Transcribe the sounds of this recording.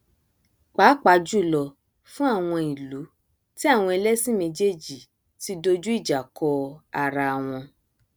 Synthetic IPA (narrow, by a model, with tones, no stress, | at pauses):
k͡paː˨˦k͡pa˨˧˦d͡ʒu˦˨lɔ˨ | fũ˦a˦˨w̃ɔ̃˧i˨lu˨˦ | ti˦a˦˨w̃ɔ̃˧ɛ˧lɛ˦sĩ˦mẽ˧d͡ʒe˦˨d͡ʒi˨ | ti˦do˦d͡ʒu˦i˦˨d͡ʒa˨kʰɔ˧a˧˨ɾa˧˨w̃ɔ̃˧